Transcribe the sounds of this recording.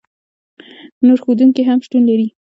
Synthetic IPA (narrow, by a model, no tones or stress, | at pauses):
noɾxod̪uŋkiɦamʃʈunlaɾi